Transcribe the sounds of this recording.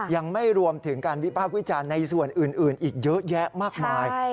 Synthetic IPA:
ja˧ŋma˥˩jɾu˧əmt̪ʰɯ˩˦ŋkaː˧nwi˦˥pʰaː˥˩k̚wi˦˥t͡ɕaː˧nːa˧jsu˨˩ənʔɯː˨˩nʔɯː˨˩nʔiː˨˩k̚jɤ˦˥ʔjɛ˦˥maː˥˩k̚maː˧j

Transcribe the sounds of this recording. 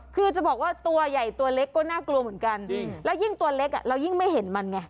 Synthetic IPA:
kʰɯː˧t͡ɕa˨˩bɔː˨˩k̚waː˥˩t̪u˧ɐja˨˩jt̪u˧ɐle˦˥kːɔː˥˩naː˥˩klu˧əmɯ˩˦ənka˧nlɛː˦˥wji˥˩ŋt̪u˧ɐle˦˥k̚ʔa̰˨˩ɾa˧wji˥˩ŋma˥˩jɦe˩˦nma˧nŋa˦

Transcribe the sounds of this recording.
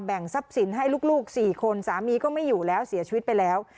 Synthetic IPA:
bɛ˨˩ŋsa˦˥p̚si˩˦nɦa˥˩jluː˥˩k̚luː˥˩k̚siː˨˩kʰo˧nsaː˩˦miː˧kɔː˥˩ma˥˩jːuː˨˩lɛː˦˥wsi˨˩˦ɐt͡ɕʰi˧wt̪̚pa˧jlɛː˦˥w

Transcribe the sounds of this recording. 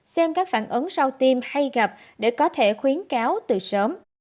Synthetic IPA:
sɛ˧mkaː˦˥k̚fa̰ː˧˩˨nʔɨ˨˦ŋsa˧wt̪i˧mha˧jɣa˨˩p̚ | ɗe˧˩kɔ˨˦t̪ʰe˧˩xwi˨˦ənkaː˨˦wt̪ɨ˨˩səː˨˦m

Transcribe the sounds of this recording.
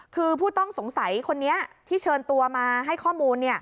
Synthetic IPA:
kʰɯː˧pʰuː˥˩t̪ɔ˥˩ŋso˩˦ŋsa˩˦jkʰo˧nːi˦˥ɐt̪ʰiː˥˩t͡ɕʰɤː˧nt̪u˧ɐmaː˧ɦa˥˩jkʰɔː˥˩muː˧nːi˥˩ɐ

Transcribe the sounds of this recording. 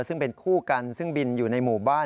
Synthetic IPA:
sɯ˥˩ŋpe˧nkʰuː˥˩ka˧nsɯ˥˩ŋbi˧njuː˨˩na˧jmuː˨˩baː˥˩

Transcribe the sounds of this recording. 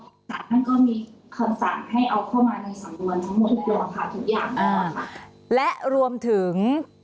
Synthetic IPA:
t͡ɕaː˨˩k̚na˥˩nkɔː˥˩miː˧ | kʰa˧msa˨˩˦ŋha˥˩jʔa˧wkʰa˥˩wmaː˧na˧jsa˩˦ŋnu˧ənt̪ʰa˦˥ŋmo˨˩t̪ʔu˨˩k̚lo˧la˧pʰaː˧t̪ʰu˦˥k̚jaː˨˩ŋaː˦˧˩kʰa˥˩ | lɛ˦˥ʔɾu˧əmt̪ʰɯ˩˦ŋ

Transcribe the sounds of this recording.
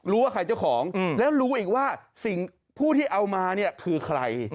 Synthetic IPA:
ɾuː˦˥waː˥˩kʰɾa˧jt͡ɕa˥˩wkʰɔː˩˦ŋ˨lɛː˦˥wɾuː˦˥ʔiː˨˩k̚waː˥˩si˨˩ŋ | pʰuː˥˩t̪ʰiː˥˩ʔa˧wmaː˧ni˥˩ɐkʰɯː˧kʰɾa˧j

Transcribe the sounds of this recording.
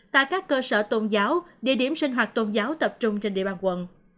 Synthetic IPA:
t̪a̰ː˧˨jkaː˦˥kːəː˧səː˧˩t̪o˧nzaː˨˦wɗḭ˧˨ɗi˧˩əmsï˧ŋ̟ɦwaː˨˩t̚t̪o˧nzaː˨˦wt̪ə˨˩p̚t͡ɕʊ˧ŋ͡mt͡ɕe˧nɗḭ˧˨aː˨˩nkwə̰˧˨n

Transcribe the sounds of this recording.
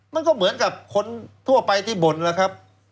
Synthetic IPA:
ma˧nkɔː˥˩mɯ˩˦ənka˨˩p̚kʰo˧nt̪ʰu˥˩ɐpa˧jt̪ʰiː˥˩bo˨˩nlaː˦˩kʰɾa˦˥p̚

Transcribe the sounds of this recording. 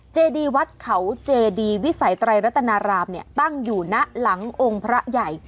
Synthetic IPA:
t͡ɕeː˧diː˧wa˦˥t̪̚kʰa˩˦wt͡ɕeː˧diː˧wi˦˥sa˨˩˦jt̪ɾa˧jɾa˦˥t̪ʰːa˧naː˧ɾaː˧mni˥˩t̪a˥˩ŋjuː˨˩na˦˥ʔla˩˦ŋʔo˧ŋpʰɾa˦˥ʔja˨˩j

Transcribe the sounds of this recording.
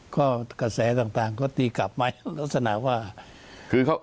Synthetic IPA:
kʰɔː˥˩ka˧sɛː˩˦t̪aː˨˩ŋt̪aː˨˩ŋkɔː˥˩t̪iː˧kla˨˩p̚maː˧la˦˥t̪̚sa˧na̰˨˩ʔwaː˥˩ | kʰɯː˧ka˦˥

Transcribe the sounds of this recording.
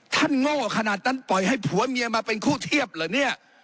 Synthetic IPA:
t̪ʰa˥˩nŋoː˥˩kʰa˧naː˨˩t̪̚ʰːa˥˩npɔ˨˩jha˥˩jpʰu˩˦ɐmi˧əmaː˧pe˧nkʰuː˥˩t̪ʰi˥˩əp̚lɤː˨˩ni˥˩ɐʔ

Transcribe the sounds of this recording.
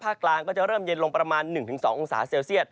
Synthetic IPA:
pʰaː˥˩kːlaː˧ŋkɔː˥˩t͡ɕa˨˩ʔɾɤː˥˩mjə˧nlo˧ŋpɾa˧maː˧nːɯ˨˩ŋt̪ʰɯ˩˦ŋsɔː˩˦ŋʔo˧ŋsa̰ː˩˦seː˧wsi˥˩ət̪̚

